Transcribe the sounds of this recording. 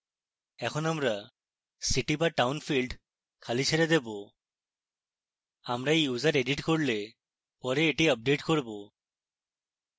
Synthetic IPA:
ɛkʰɔnamɹa | siʈibaʈawnpʰilɖ | kʰalisʰɛɾad̪ebɔ | amɹaejuzaɹeɖiʈkoɹilɛ | pɔɾɛːʈiəp̚ɖeʈkoɹibɔ

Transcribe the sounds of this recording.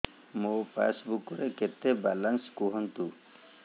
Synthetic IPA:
mopa̰sbukuɾeket̪ebalanskuɦɔnt̪u

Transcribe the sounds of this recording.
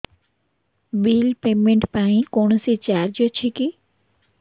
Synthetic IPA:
biːlpeːmẽɳʈpaĩkoɳ̃sit͡ʃaːɾd͡ʒət͡ʃʰiki

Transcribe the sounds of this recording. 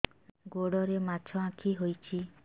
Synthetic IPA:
ɡoɽɔɾemat͡ʃʰɔãkʰiɦojt͡ʃʰi

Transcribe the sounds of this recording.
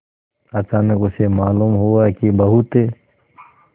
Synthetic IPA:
ɐt͡ʃaːnəkʊsemaːluːmɦuakibəɦʊt̪eː

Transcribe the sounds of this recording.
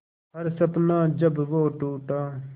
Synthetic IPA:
ɦɐɾsɐpnãːd͡ʒɐbʋoːʈuːʈaː

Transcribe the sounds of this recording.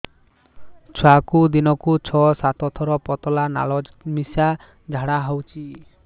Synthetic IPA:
t͡ʃʰwakud̪inɔkut͡ʃʰɔsat̪ɔt̪ʰɔɾɔpɔt̪ɔlana̰lɔmisa | d͡ʒʱaɽaɦɔwt͡ʃʰi

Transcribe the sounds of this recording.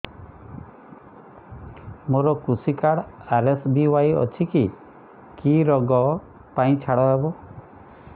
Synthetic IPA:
moɾɔkusikaɽaɾesbiwajɔ̰t͡ʃʰiki | kiɾɔɡɔ | paĩt͡ʃʰaɽɔɦebɔ

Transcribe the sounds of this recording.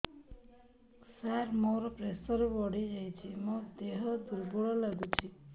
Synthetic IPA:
saɾmoɾɔpɾesəɾʋɔɽid͡ʒəjt͡ʃʰimɔ̃d̪eɦɔd̪ʱuɾbuɭɔləɡut͡ʃʰi

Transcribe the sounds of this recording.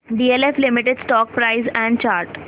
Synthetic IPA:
ɖiːeleflɪmɪʈeɖsʈɔːk̚pɾaɪzɛ̃ɳɖ̚t͡ʃaːɾʈ

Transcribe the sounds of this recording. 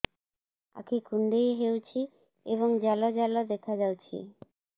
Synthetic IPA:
a̰kʰikuɳɖejɦewt͡ɕʰi | eβoŋd͡ʑɛlod͡ʑɛlod̪ekʰad͡ʑawt͡ɕʰḭ

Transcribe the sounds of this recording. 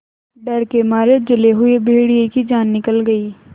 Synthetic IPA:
ɖɐɾkemaːɾed͡ʒɐleɦʊebʱeːɽiekid͡ʒaːnːɪkəlɡəiː

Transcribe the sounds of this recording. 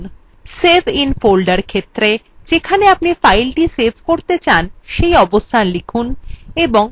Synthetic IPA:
sebʱinfolɖaɾkʰet̪ːɾe | d͡ʑekʰaneap̚nifajlʈisebʱkoɾt̪et͡ɕanʃejɔbost̪ʰanlikʰuneboŋ

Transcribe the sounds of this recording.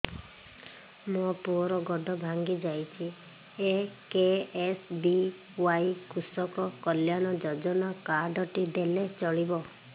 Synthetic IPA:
mopuɾɔɡɔɖɔbʱaŋɡid͡ʒajt͡ʃʰi | ekeesbi | wajkusɔkɔkɔljanɔd͡ʒɔd͡ʒɔnakaɖɔʈid̪elet͡ʃɔɭibɔ

